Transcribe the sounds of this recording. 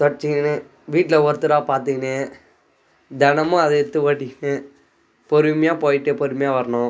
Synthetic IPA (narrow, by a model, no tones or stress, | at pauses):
t̪ɔʈɪt͡ʃːɪŋɐne | ʋiːʈːɪlɐʋɔɾɯt̪ːɯɾaːpaːɾt̪iŋɡɐneː | d̪ɛnɐmʊ̃ɐðɐɛt̪ːɯʋaːʈːɪknːe | pɔɾɯmɐjaːpoːjɪʈːɯpɔɾɯmɐjaːʋɐɾɐnʊ̃